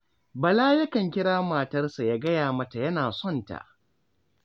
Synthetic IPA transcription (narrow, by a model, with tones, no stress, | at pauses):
bɐ˨laː˦jɐ˦kɐ˨ŋkʲɪ˦ɽaː˦maː˨tɐ˦rsa˨ja˦ɡɐ˦jaː˨mɐ˦ta˨jɐ˦naː˨sɔ˦˨nta̰˨ʔ